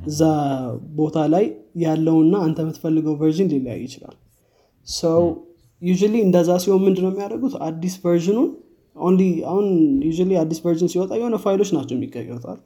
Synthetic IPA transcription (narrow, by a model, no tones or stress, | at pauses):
ɨzːabo̞t̪ʰalajːalːəwɨnːaant̪ʰəmɨt̪fəlːɨɡəwvəɾʒɪnlilja̰jːɪt͡ʃɪla̰l | səw | juʒualiɨnd̪əzːasiwomːɨnd̪nəwmːijaɾəɡut̪ad̪ːisvəɾʒɪnun | onlia̰hunjuʒaliad̪ːisvəɾʒɨnsiwɔt̪ʼajɛhonəfajlo̞t͡ʃːnat͡ʃːɛwmːiɡːəjːɛwt̪ʰa̰l